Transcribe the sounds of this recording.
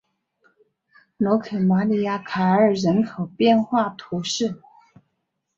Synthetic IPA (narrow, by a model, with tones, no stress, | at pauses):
no˧˥kʰɤ˨˩ma˧˥li˧˥ja˥˩kʰa˨˩ə˞˨˩ɻə˧˥nkʰo˨˩ʊpjɛ˥˧nxwa˥˩t̪ʰu˧˥ʂɻ̩˥˩